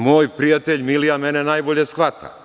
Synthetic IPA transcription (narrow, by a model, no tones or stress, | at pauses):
moːjpɾijat̪eʎmilijamenenaːjboʎesxʋat̪ʰa̰